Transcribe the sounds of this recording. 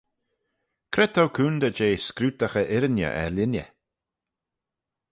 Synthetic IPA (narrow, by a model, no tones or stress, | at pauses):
kʰɾɛt̪ʰowkʰuːnd̪əd͡ʒeːskɾuːt̪əxəʔɪɾənjə̰ʔɛ̰ɾlʲɪnʲjə̰